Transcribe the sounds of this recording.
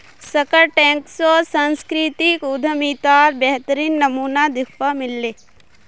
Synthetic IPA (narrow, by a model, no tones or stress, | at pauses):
səkəɾʈɛ̃ːŋksosə̃nskɾit̪ikʊd̪ʱəmiːt̪aːɾbɛɦt̪əɾiːnːɐmuːnad̪ɪkʰpamɪlːeː